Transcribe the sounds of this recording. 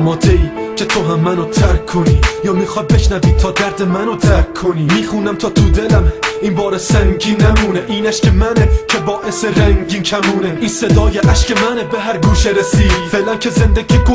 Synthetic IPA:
mɒːd̪eiː | cʰe̞t̪ʰo̞ɦæmːænot̪ʰæɾkʰːoniːjɒːmiːxɒːd̪̚be̞ʃnæviːt̪ʰɒːd̪æɾd̪emænot̪ʰæɾkʰːoniːmiːxuːnæmt̪ʰɒːt̪ʰud̪elæmiːnbɒːɾesæŋɟiːnːæmuːneʔiːnæʃcʰemænecʰe̞bɒːʔe̞seɾæŋɟiːnkʰæmuːneinse̞d̪ɒːjeʔæʃcemænebeɦæɾɡuːʃeɾesiːfelæncʰe̞ze̞nd̪eɡiːɡo

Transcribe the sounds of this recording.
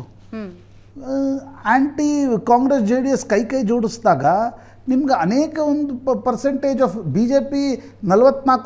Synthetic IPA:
aːɳʈikaːŋɡɾes̬d͡ʒeːɽijɐskɐjkɐjd͡ʒoːɽisd̪aːɡɐ | nimɐɡeɐneːkɐond̪upɐɾseɳʈeːd͡ʒɐfbiːd͡ʒe̞ːpi | nɐlʋɐt̪ːnaːk

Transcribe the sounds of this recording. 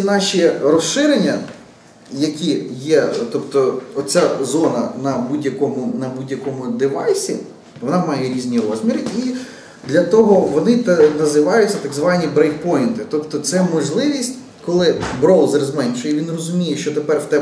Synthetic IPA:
nɑʃʲiɾɔsʃɪɾenʲːɐ | jɐkʲijɛt̪ɔpt̪ɔɔt͡sʲazɔnɐnɐbudʲjɐkɔmʊnɐbudʲjɐkɔmʊd̪ɪʋɑjsʲi | ʋɔnɑmɑjɛɾʲizʲnʲiɾɔzmʲiɾɪi | d̪lʲɐt̪ɔɦɔʋɔnɪnɐzɪʋɑjʊtʲɐt̪ɐɡzʋɑnʲibɾɛjpɔjɪnt̪ɪt̪ɔpt̪ɔt̪sɛmɔʒlˠɪʋʲisʲtʲ | kɔlˠɪbɾɔlˠzrzmɛnʲʃɔjɛʋʲinrɔzʊmʲijɛʃt͡ʃɔt̪epɛrwt̪ɛ

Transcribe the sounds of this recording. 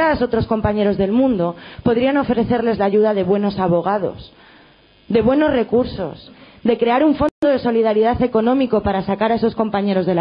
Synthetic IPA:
aso̞t̪ɾo̞sko̞mpaɲe̞ɾo̞zðe̞lmũnd̪o̞po̞ðɾiano̞fɾe̞θe̞ɾle̞zlaːʝuðaðe̞βwe̞no̞saβo̞ɣ̞aðo̞̰s | ðe̞βwe̞no̞zre̞kuɾso̞s | d̪e̞kɾe̞aɾuɱfo̞nd̪o̞ðe̞so̞liðaɾiðaθe̞ko̞nõ̞miko̞paɾasakaɾae̞so̞sko̞mpaɲe̞ɾo̞zðe̞l

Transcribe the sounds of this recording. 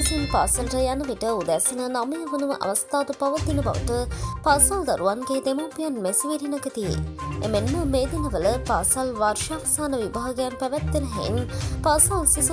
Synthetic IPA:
t̪inpaːsalʈəjanəʋiʈəud̪ɛsinənaməjəʋənuʋəʔɐ̰ʋɐst̪aːd̪upaʋət̪inəbɐ̰ʋə̰ʈəpasald̪aɾuʋanɡeːd̪emoːpijanmesiʋiɾinɐɡət̪iḛemenməmeːd̪inəʋələpaːsalʋarʃaʋɐsaːnəʋibaɦɐɡəjampæʋɛt̪ːeɾəɦɛ̰ḭnpaːsalsis

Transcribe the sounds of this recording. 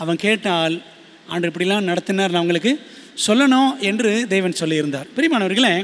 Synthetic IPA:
ɐʋɐ̃nkeːʈːaːl | ɐndrɯɛpːɐɽɪjɛlːãːnɐɽɐt̪ːɯnːaːɾnɐʋɐŋɡɐɭɯkːɯ | sɔlːɐɳõːɛndrɯd̪eːʋɐnsɔlːiɪɾɯnd̪aːɾpɛɾɪmaːnɐʋɐɾɣɐɭeː

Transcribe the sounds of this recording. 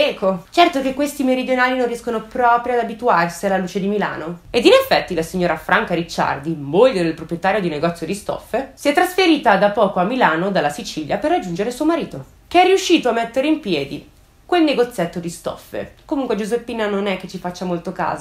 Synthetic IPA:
ɛkːot͡ʃɛrt̪okekːwest̪imeɾid̪jonaːlinonriɛskonopɾɔːpɾjoad̪abit̪uarsialaluːt͡ʃed̪imila̰ːnoed̪inefːɛt̪ːilasiɲːoːɾafɾʔaŋkaɾit͡ʃːa̰rd̪imoʎːod̪elpɾopɾjet̪aːɾjod̪ineɡɔt̪sːjod̪ist̪ɔ̰fːesiɛt̪ːɾasfeɾiːt̪ad̪apːɔːkoamːilaːnod̪alːasit͡ʃiʎːjaperːad͡ʒːund͡ʒeɾesuomaɾiːt̪o | keɛrːiuʃːiːt̪oamːet̪ːeɾeimpjɛːd̪i | kwelneɡot̪sːjɛt̪ːod̪ist̪ɔ̰fːḛkomuŋkwed͡ʒuzepːiːnanonɛk̟ːet͡ʃːifat͡ʃːamolt̪oka̰ːza

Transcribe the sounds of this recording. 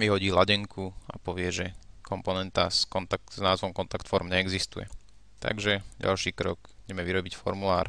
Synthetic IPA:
ʋiɦɔɟiːlaɟɛŋkʰuapɔʋɪɛʒɛkʰɔmpɔnɛnt̪askɔnt̪akznaːzʋɔmkɔnt̪akt̪fɔɾmɲɛːɡzist̪ujɛ̰ | t̪a̰ɡʒɛɟa̰lʃiːkɾɔɡuɟɛmɛʋiɾɔbicfɔ̰ɾmulaːɾ

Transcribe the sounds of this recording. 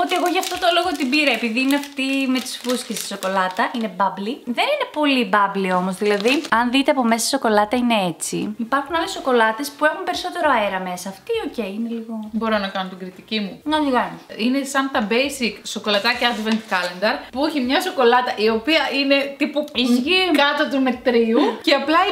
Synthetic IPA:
o̞t̪ieɣo̞ʝɐft̪ot̪o̞lo̞ɣot̪ibiɾɐepiðiineɐft̪ime̞t̪i̥sfuscest̪i̥so̞ko̞lɐt̪ɐine̞bɐbliðe̞nine̞po̞libɐblio̞mo̞zðilɐðiɐnðit̪eɐpo̞me̞sɐsi̥so̞ko̞lɐt̪ɐine̞e̞t͡sḭipɐɾxunɐle̞sːo̞ko̞lɐt̪e̞spue̞xunpe̞ɾiso̞t̪e̞ɾo̞ɐeɾɐme̞sɐːft̪io̞ce̞jine̞liɣo̞bo̞ɾo̞nɐkɐnot̪iɡɾit̪icimuɐʎɣɐniine̞sɐnt̪ɐbejsikso̞ko̞lɐt̪ɐceɐd̪vent̪kɐlend̪ɐɾpuuçimɲɐso̞ko̞lɐt̪ɐʔio̞piɐʔine̞t̪ipuizʝikɐt̪ɐt̪ume̞t̪ɾiuceɐplɐ

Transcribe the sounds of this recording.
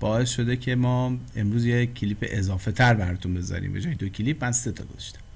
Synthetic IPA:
b̥ɒːe̞sʃo̞d̪e̞cʰe̞mɒːemɾuːzjecʰiliːpʰḛʔezɒːfe̞t̪ʰæɾbæɾɔt̪ʰunbe̞zɒ̰ɾḭːmbḛd͡ʒɒːjed̪ocʰiliːbmænse̞t̪ʰɒ̰ːɡ̥ozæʃt̪æ̥m

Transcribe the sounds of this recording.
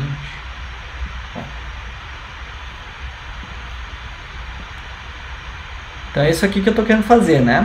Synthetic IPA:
t͡ʃ | bõ̰ | ẽt̪ɐ̃w̃ɛisʊɛkikɪewt̪okeɾẽd̪fazeɾnɛ

